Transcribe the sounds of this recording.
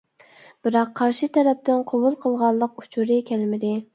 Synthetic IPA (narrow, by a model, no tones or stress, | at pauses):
b̥ɨɾɑqʰːɑɾʃit̪ʰɛɾɛp̚t̪ɪnqʰobulˠqʰəlˠʁɑlˠːəq̚u̥t͡ʃʰuɾɪkʲʰælmɪd̪ɪ